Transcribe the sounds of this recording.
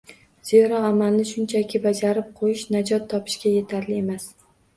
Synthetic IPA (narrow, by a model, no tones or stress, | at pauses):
z̥eɾaamalnɪʃʊnt͡ʃʰakʲʰɪbad͡ʒaɾɪp̚qʰojɪʃnad͡ʒɒt̪ʰːɒpʰɪ̥ʃkʲaje̞t̪ʰaɾlɪe̞mas